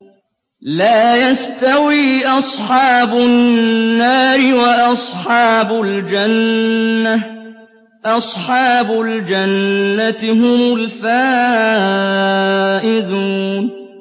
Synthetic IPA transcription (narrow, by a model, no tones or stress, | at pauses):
laːjast̪awiːʔɑsˤħɑːbʊnːaːɾɪwaʔɑsˤħɑːbʊld͡ʒana | ʔɑsˤħɑːbʊld͡ʒanːat̪ɪɦʊmʊlfaː | ʔɪzuːn